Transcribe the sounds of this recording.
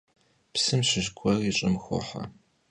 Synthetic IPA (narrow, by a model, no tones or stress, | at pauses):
psɨmɕɪʒɡʷʰʼɔriɕʼɪmxʷɔ̰ħɐ̰